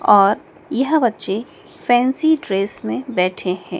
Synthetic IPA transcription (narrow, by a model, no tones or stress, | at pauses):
ɔːɾ | jɐɦbɐtːʃe | fɛ̃ːnsiɖɾeːsmẽbɛːʈʰeɦɛ̰̃ː